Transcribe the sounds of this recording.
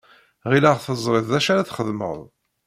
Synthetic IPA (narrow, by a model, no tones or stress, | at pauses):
ʁilaʁθəzˤɾˤɪðˤðæʃaɾaθχəðmə̰ðˤ